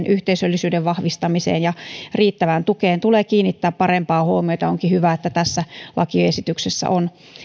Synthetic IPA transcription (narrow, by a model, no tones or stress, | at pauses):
nʔyht̪eisølːisyːdeʋʋɑhʋist̪ɑmisḛːnjɑriːt̪ːæʋænt̪ukeːnt̪ulekiːnːit̪ːæːppɑrempɑːhuomiojt̪ɑoŋkihyʋæet̪ːæt̪æsːælʔɑ̰kioesit̪yksesːæ̰ʔon